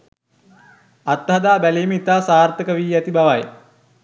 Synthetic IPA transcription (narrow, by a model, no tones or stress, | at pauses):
at̪ːɦɐd̪aːbæliːmit̪aːsaːrt̪əkəʋiːæt̪ibaʋaj